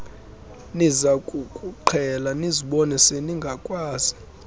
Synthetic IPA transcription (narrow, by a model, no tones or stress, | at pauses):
nizakʼukʼuǃʰɛlaniziɓɔnɛseniŋɡʱakʼwaːz̥i